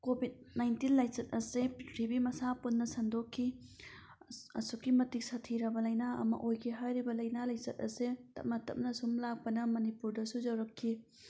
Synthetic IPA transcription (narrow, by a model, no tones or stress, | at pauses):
kobʱid̚najntinlajsɐt̚ɐseɾibimɐsapunːɐsɐndokʰːi | ɐ̰sukːimɐtik̚sɐtʰiɾɐbɐlɐjnaɐ̰mɐ̰ʔojkʰiɦajɾibɐlɐjnalajsɐt̚ɐsetɐ̰p̚mɐtɐ̰m̚nɐsumlak̚pɐnɐmɐnipuɾdɐsud͡ʒɐwɾɐkʰːi